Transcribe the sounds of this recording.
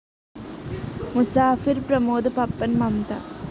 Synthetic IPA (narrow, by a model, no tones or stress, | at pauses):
musaːfiɾpɾɐmoːd̪ɐpɐpːɐnmɐmt̪ɐ̰